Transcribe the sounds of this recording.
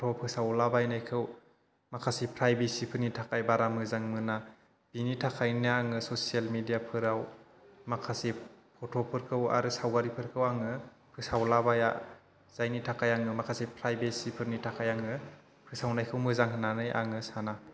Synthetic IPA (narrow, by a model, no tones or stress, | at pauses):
tʰɔpʰɯsawlabajnajkʰɯw | makʰasipʰɾajbesipʰɯɾnitʰakajbaɾamɯzaŋmɯna | b̥initʰakʰajniaŋɯsosialmedijapʰɯɾaw | makʰasipʰɔtʰɔpʰɯɾkʰɯwa̰ɾɯsawɡaɾipʰɯɾkʰɯwaŋɯ | pʰɯsawlabaja | z̥ajnitʰakajaŋɯmakʰasipʰɾajbesipʰɯɾnitʰakʰajaŋɯ | pʰɯsawnajkʰɯwmɯzaŋɦɯnːanɯjʔa̰ŋɯsana